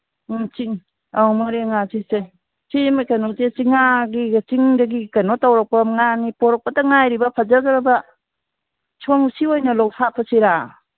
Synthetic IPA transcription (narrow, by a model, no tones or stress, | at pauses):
t͡ʃiŋ | awmɔɾiŋat͡ʃise | t͡ʃimajkanɔtet͡ʃiŋaɡit͡ʃiŋdaɡikanɔtawɾɔk̚paŋanipɔɾɔk̚pataŋajɾibapʰad͡ʒaɡaɾaba | t͡ʃʰoŋsiojnɐlɔwsapʰasiɾa